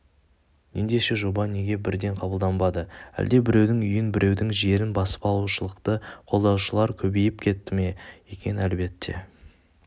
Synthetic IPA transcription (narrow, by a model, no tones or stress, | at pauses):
nend̪e̞ʃe̞ʒo̞bɑne̞ɡʲe̞bɪɾd̪e̞ɴqʰɑbəlˠd̪ɑnbɑd̪əæ̰ld̪e̞bɪɾe̞wd̪ɪŋʏjɪnbɪɾʔe̞wd̪ɪŋʒe̞ɾɪnbɑsə̥pɑlˠuʃəlˠəqt̪əqʰo̞lˠd̪ɑwʃəlˠɑɾkʲʰɵbe̞jɪpkʲʰe̞t̪ːɪmejekʲe̞nælbe̞t̪ːe̞̰